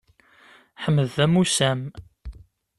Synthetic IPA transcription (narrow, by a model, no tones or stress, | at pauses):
ħəmːəðːæmusæm